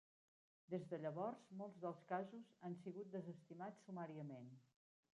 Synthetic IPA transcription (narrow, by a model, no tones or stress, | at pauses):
d̪ezðəʎəβɔɾzmolˠzðəlˠskazuzansiɣut̪̚d̪əzəst̪imat͡sːumaɾiəmen